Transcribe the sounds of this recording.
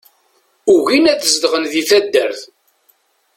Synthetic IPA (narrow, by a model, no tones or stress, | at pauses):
uʝinæθəzd̪ʁənðiθæd̪ːəɾθ